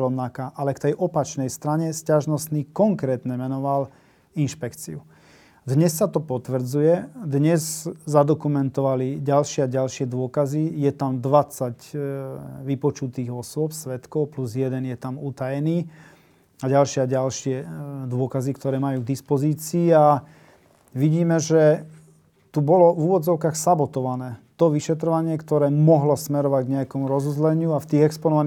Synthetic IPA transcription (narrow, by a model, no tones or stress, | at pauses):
ɾɔʊnakaːʔalɛkt̪ɛjʔɔpat͡ʃnɛjst̪ɾaɲɛscaʒnɔst̪niːkɔŋkɾɛːt̪ɲɛmɛnɔʋal | inʃpɛkt͡sḭu | d̪ɲɛsːat̪ɔpɔt̪ʋr̩d͡zujɛd̪ɲɛzzad̪ɔkumɛnt̪ɔʋaliɟalʃɪɛaɟalʃɪɛd̪ʊɔkazijɛt̪amd̪ʋat͡saɟ | ʋipɔt͡ʃut̪iːɣɔsʊɔpsʋɛt̪kɔʊpluzjɛd̪ɛnjɛt̪amut̪ajɛniː | aɟalʃɪaɟalʃɪɛd̪ʊɔkazikt̪ɔɾɛːmajuːɡd̪ispɔziːt͡siːa | ʋiɟiːmɛʒɛ | t̪ubɔlɔvuʋɔd͡zɔʊkaːxsabɔt̪ɔʋanɛːt̪ɔʋiʃɛt̪ɾɔʋaɲɪɛkt̪ɔɾɛːmɔɦlɔsmɛɾɔʋaɟɡɲɛjakɔmuɾɔzuzlɛɲɪuaft̪iːɣɛkspɔnɔʋan